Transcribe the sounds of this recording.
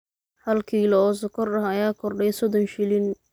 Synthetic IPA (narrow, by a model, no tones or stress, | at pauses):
hɐlkʰiːlɐɔːs̬ɔkʰɔrɐhɐjaːkʰɔrɖɛjsɔd̪ɔnʃɪlɪn